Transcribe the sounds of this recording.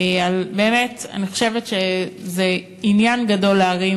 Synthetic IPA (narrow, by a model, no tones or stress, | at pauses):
albe̞ːmeta̰niχo̞̥ʃe̞vetʃeze | injanɡado̞leːʁi